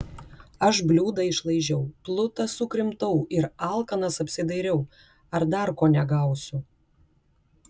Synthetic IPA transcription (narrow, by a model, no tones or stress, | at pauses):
ɐʃbʲlʲuːd̪ɐɪʃlˠɐɪʒʲɛʊplˠʊt̪ɐsʊkɾʲɪmt̪ɐʊɪɾɑˑlˠkɐnɐsɐpʲsʲɪd̪ɐɪɾʲɛʊ | ɐɾd̪ɐɾkoːnʲɛɡɐˑʊsʲʊ